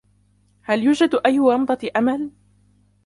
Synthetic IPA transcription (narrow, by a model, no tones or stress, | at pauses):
haljuːd͡ʒad̪ʔajːʊwɑmd̪ˤɑʔamal